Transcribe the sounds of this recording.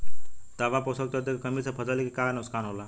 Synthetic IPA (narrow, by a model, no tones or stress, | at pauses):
t̪aʋaposəkt̪ət̪ekkəmit͡sʰapʰəd͡zəlekikanəskanɦola